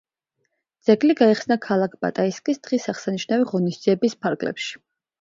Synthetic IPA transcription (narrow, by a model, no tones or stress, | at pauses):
d̪z̥ɛɡliɡaiχsnakʰalˠakʰba̰t̪ʼaiskʼisd̪̥ʁisaχsaniʃnaviʁɔnisd̪ziɛbispʰaɾɡlɛ̰pʃi̥